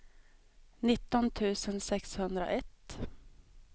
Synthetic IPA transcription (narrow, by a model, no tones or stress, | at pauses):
nɪt̪ːɔnt̪ʰʉ̟ːsənsɛkshɵnd̪ɾə̰ʔɛt̪